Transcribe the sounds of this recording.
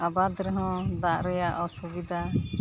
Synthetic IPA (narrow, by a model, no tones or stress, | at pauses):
abad̪ɾɛɦɔ̃d̪aʔɾɛjaʔɔsubid̪ʱa